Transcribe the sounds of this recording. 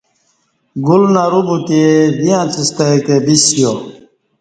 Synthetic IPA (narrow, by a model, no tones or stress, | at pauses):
ɡulnaɾubut̪ied̪ijãt͡sist̪ajkebisijo